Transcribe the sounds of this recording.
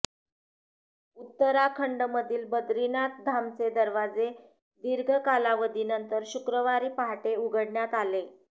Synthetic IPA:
ut̪ːəɾakʰəɳɖməd̪ʱiːlbəd̪ɾinat̪̚d̪ʱamt͡sed̪əɾʋad͡ze | d̪iɾɡʱəkalaʋəd̪iːnənt̪əɾɕukɾəʋaɾiːpaɦʈeuɡəɽɳjat̪ale

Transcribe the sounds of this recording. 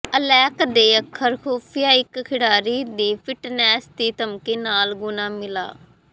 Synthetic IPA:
əlɛːkd̪eːəkʰːəɾkʰoːpʰɪjaːɪkkʰɪɽaːɾiːd̪iːpʰɪʈnɛːsd̪iːt̪əmkeːnaːlɡʊnaːmɪla̰ː

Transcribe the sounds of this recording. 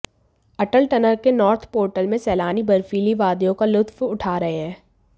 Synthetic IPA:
ɐʈəlʈɐnəɾkenɔːɾt̪ʰpoːɾʈəlmẽsɛːlaːnibɐɾfiːliʋaːd̪jõkalʊt̪wʊʈʰaːɾɐɦeɦɛ̃ː

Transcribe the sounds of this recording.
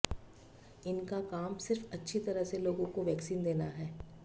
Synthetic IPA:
ɪnkakaːmsɪɾfɐtːʃʰit̪ɐɾəseloːɡõkoʋjɛːksiːnd̪eːnaɦɛː

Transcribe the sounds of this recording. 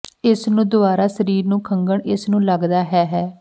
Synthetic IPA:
ɪsnũːd̪ʊbaːɾaːsəɾiːɾnũːkʰəŋɡəɳɪsnũːləɡd̪aːɦɛːɦɛː

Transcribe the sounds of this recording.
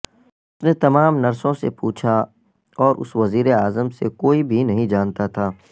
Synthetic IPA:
ʊsnet̪ɐmaːmnɐɾsõsḛpuːt͡ʃʰa | ɔːɾʔʊ̰sʋɐziːɾeaːzəmsekoːibʱinɐɦĩd͡ʒaːnt̪at̪ʰaː

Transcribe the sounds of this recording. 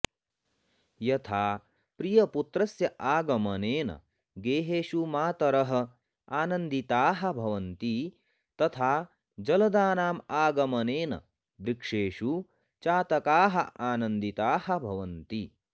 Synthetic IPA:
jɐt̪ʰaː | pɾijɐput̪ɾɐsjɐʔaːɡɐmɐneːnɐ̰ | ɡeːɦeːʃumaːt̪ɐɾɐɦɐ̆ | aːnɐnd̪it̪aːɦɐ̆bʱɐʋɐnt̪i | t̪ɐt̪ʰaː | d͡ʒɐlɐd̪aːnaːmaːɡɐmɐneːnɐ̰ | b̪ɾikʂeːʃu | t͡ʃaːt̪ɐkaːɦɐʔaːnɐnd̪it̪aːhɐ̆bʱɐʋɐnt̪i

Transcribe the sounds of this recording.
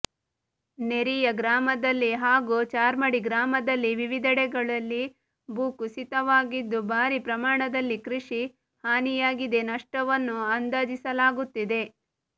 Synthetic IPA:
ne̞ɾijɐɡɾaːmɐd̪ɐlːiɦaːɡut͡ʃaːɾmɐɽiɡɾaːmɐd̪ɐlːiʋiʋid̪ɐɽɛɡɐɭɐlːi | buːkusit̪ɐʋaːɡid̪ːubʱaːɾipɾɐmaːɳɐd̪ɐlːikɾiʂi | haːnijaːɡid̪e̞nɐʂʈɐʋɐnːuɐnd̪ɐd͡ʒisɐlaːɡut̪ːid̪e̞

